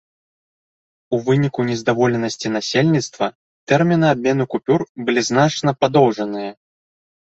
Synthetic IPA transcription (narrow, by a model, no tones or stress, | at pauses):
uvɨnʲikunʲɛzd̪avɔlʲɛnɐsʲt͡sʲinasʲelʲnʲit̪st̪vɐ | t̪ɛrmʲinɨab̚ʲmʲɛnɨkupʲurbɨlʲiznat͡ʂnɐpad̪ɔwʐɐnɨjɐ